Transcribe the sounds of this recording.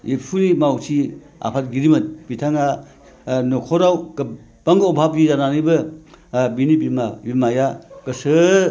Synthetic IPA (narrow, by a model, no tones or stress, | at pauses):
ipʰunimawsʰi | a̰pʰat̚ɡiɾimɐt̚b̥itʰaŋa | nɔkʰɔɾawɡ | b̥aŋɡɔbʱab̚izananibɯ | binibimabimajaɡ̥ɐsɯ